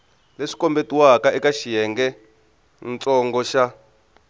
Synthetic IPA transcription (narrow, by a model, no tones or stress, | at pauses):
leʂi̥kɔmbetiwakaʔɛkaʃijɛŋɡɛ | nt͡sʼɔŋɡɔʃa